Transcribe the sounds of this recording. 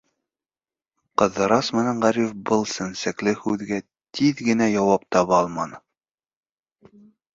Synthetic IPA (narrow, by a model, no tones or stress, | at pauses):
qɤ̆ðːɤ̆ɾɑsmɘ̆næɴʁæɾifbɤlˠsɘ̆nsæklɘhʉðɡæ | t̪iðɡɘ̆næjɑwɑp̚t̪ɑβɑɑlˠmɑnɤ